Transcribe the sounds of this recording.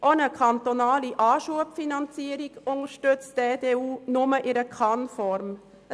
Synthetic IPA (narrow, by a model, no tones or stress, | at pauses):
ʔonəkʰɑnt̪onɑːliʔɑːʃuəpfinɑnt͡siəɾiɡʊŋəɾʃtøt͡std̥edeːuːnʊməʔɪɾəkʰɑnfɔɾm